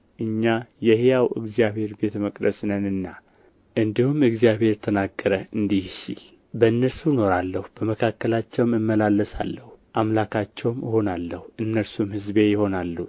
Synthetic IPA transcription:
ʔɨɲːajɛhjawɨ̰ɡzijaβhe̞ɾbe̞t̪ʰməkʼd̪əsnənɨnːa | ʔɨnd̪ihumɨɡzijaβhe̞ɾt̪ʰənaɡːəɾəɨnd̪ihsḭl | bəɨnːəɾsuno̞ɾalːəhub̥əməkʰakːəlat͡ʃːɛwmɨmːəlalːəsa̰lːəhuʔamlakʰat͡ʃːɛwməho̞nalːəhuʔɨnːəɾsumhɨzbejɪho̞nalːu

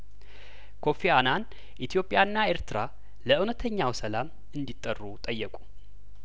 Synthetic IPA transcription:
kʰo̞fianan | ʔit̪ʰjo̞pʼjaɨnːae̞ɾt̪ʰɨɾa | ləɨwnət̪ʰəɲːawsəlam | ɨnd̪it̪ʼːərːut̪ʼəjːəkʼu

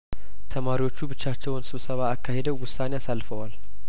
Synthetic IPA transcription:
t̪ʰəmaɾiwo̞t͡ʃːubɨt͡ʃːat͡ʃːɛwnsɨβsəβaːkːahe̞d̪əwwʊsːaneasalːfəwal

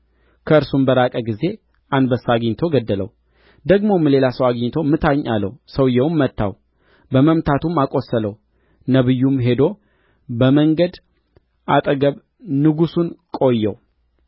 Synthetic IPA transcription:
kʰəɨɾsumbəɾakʼəɡize̞ | ʔand̪bəsːaɡɲːt̪ʰo̞ɡəd̪ːələ̰w | d̪əɡmo̞mːle̞lasəwaɡɲt̪ʰo̞mːɨt̪ʰaɲːalːəwsəwjɛwmːət̪ʰːa̰w | bəməmt̪ʰat̪umakʼo̞sːələw | nəβɨjːumɦe̞d̪o̞ | bəməŋɡəd̪ | ʔat̪ʼəɡəβ | nɨɡusunkʼo̞jːɛ̰w

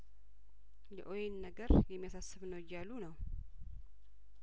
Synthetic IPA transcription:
jɛʔojenːəɡəɾjɛmːijasasːɨβnəwɪjalːunəw

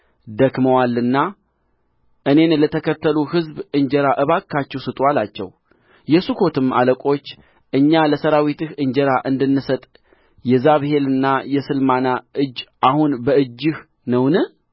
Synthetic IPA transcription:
d̪əkməwalːɨnːa | ʔɨne̞nlət̪ʰəkʰət̪ʰːəluhɨzbɨɲd͡ʒɛɾaʔɨβakʰːat͡ʃːɛwsɨt̪ʼwalat͡ʃːɛ̰w | jɛsukʰo̞t̪ʰɨma̰ləkʼo̞t͡ʃː | ʔɨɲːaləsəɾawit̪ɨhɨɲd͡ʒəɾaʔɨnd̪ɨnːɨsət̪ʼ | jɛzaβɨhe̞lɨnːajɛsɨlmanaʔɨd͡ʒːʔahunbəɨd͡ʒːɨh | nəwnɨ

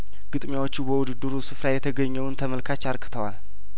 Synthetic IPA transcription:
ɡ̥ɨt̪ʼmjawo̞t͡ʃːubəwʊd̪ɨd̪ːɨɾusɨfɾajɛt̪ʰəɡəɲːɛwnt̪ʰəməlkʰat͡ʃːaɾkʰɨ̥t̪ʰəwal

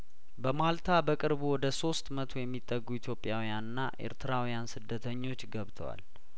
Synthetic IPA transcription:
bəmalt̪ʰabəkʼɨɾbuwɔd̪əso̞st̪mət̪ʰo̞jɛmːit̪ʼːəɡːuit̪ʰjo̞pʼːjawijanɨnːa̰ʔe̞̰ɾt̪ʰɨɾawijansɨd̪ːət̪ʰəɲːo̞t͡ʃːɡəβt̪ʰəwa̰l

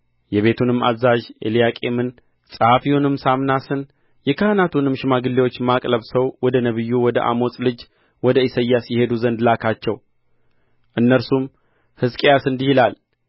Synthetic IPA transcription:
jɛβe̞t̪ʰunɨmːa̰zaʒḛlijakʼe̞̰mɨn | sʼɨhafiwunɨmːsamnasɨn | jɛkʰəhɨnat̪ʰunɨmʃɪmaɡɨlːewot͡ʃːmakʼləβsəwwɔd̪ənəβɨjːuwɔd̪ə̰ʔa̰mo̞sʼlɨd͡ʒ | wɔd̪əisəjːasjɪhe̞d̪uzənd̪lakʰat͡ʃːɛw | ʔɨnːəɾsum | hɨskʼjasɨnd̪ihilal

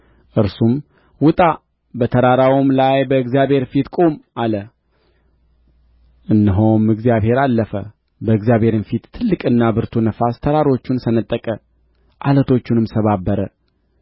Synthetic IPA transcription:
ʔɨɾsum | wʊt̪ʼa | bət̪ʰəɾaɾawomlajbəɨɡzjaβhe̞ɾfit̪kʼo̞malə | ʔɨnːɨɦomɨɡzijaβhe̞ɾalːəfə̰ | bəɨɡzjaβhe̞ɾɨnfit̪ʰːɨlːɨkʼɨnːabɨɾt̪ʰunəfast̪ʰəɾaɾo̞t͡ʃːunsənət̪ʼːəkʼə | ʔalət̪ʰo̞t͡ʃːunɨmsəβabːəɾə

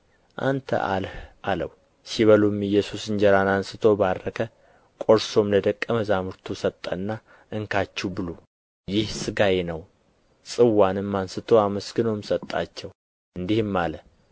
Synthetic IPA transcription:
ʔa̰nt̪ʰə̰ʔa̰lhʔaləw | siβəlumɨjːɛsusɨnd͡ʒɛɾanansɨt̪ʰo̞badəkʰə | kʼo̞ɾso̞mləd̪əkʼːəməzamɨɾt̪ʰusət̪ʼːə̰nːa | ʔɨŋkʰat͡ʃːubɨlo | jɪhsɨɡajenəw | sʼɨwːanɨmːansɨt̪ʰo̞aməsɡɨnomsət̪ʼːa̰t͡ʃːɛw | ɨnd̪ihɨmːalə

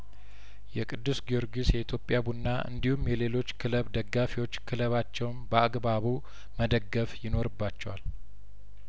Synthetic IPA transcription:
jɛkʼɨd̪ːusɡio̞ɾɡisjɛit̪ʰjo̞pʼːjabunːaʔɨ̰nd̪ihumjɛle̞lo̞t͡ʃːkʰɨləβd̪əɡːafiwo̞t͡ʃːkʰɨləβat͡ʃːɛwnbəaɡbaβu | məd̪əɡːəfjɪno̞ɾɨbːat͡ʃːɛwal

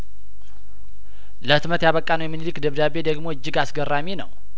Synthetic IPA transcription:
ləɨt̪mət̪jaβəkʼːanəwjɛmːinilɨkd̪əβd̪aβed̪əɡmo̞ɨd͡ʒːɪɡasɡərːamenə̰w

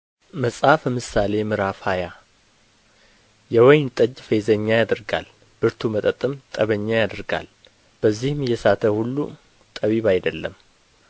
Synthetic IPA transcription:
məsʼafəmɨsale̞mɨɾafhaja | jɛwɔjnt̪ʼəd͡ʒfezəɲːajad̪ɨɾɡa̰l | b̥ɨɾt̪ʰumət̪ʼət̪ʼːɨmt̪ʼəβəɲːajad̪ɨɾɡa̰l | b̥əzːihɨmjɛsat̪ʰəhulːṵ | t̪ʼəβiβajd̪əlːəm

